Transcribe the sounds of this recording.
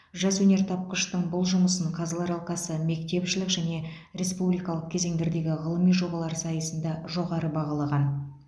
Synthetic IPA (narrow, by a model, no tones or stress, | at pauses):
ʒɑswɵne̞ɾt̪ʰɑp̚qəʃt̪əɴbʊlˠʒʊməsəɴqʰɑzɑlˠɑɾɑlˠqɑsəme̞kt̪e̞pʃɪlɪkʒæne̞ | ɾe̞spublijkɑlˠəq̚kʲʰe̞ze̞ŋd̪eɾd̪e̞ɡʲɪʁəlˠəmijʒo̞bɑlˠɑɾsɑjəsənd̪ɑʒo̞ʁɑɾəbɑʁɑlˠɑʁɑn